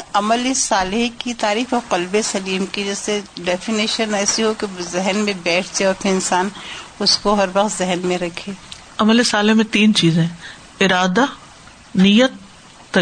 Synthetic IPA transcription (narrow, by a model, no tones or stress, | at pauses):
ɐməlesaːlɪɦkit̪aːɾiːxɔːɾqɐlbesɐliːmkid͡ʒɛːseɖɛːfiniːʃənɛːsiɦokezɪɦnmẽbɛːʈʰseɔːɾpʰɪɾɪnsaːnʊskoɦɐɾʋɐqt̪zɪɦnmẽɾɐkʰeː | ɐməlesaːlɪɦmẽt̪iːnt͡ʃiːzẽɦ | ɪɾaːd̪a | nijət̪ː | ɐ